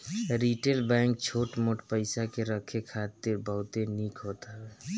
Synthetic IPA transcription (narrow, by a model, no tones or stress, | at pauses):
ɾiʈelbɛ̃ŋk̚t͡ʃʰoʈmoʈpəɪsakeɾəkʰekʰat̪ɪɾbəɦʊt̪enikɦot̪aɦbɛ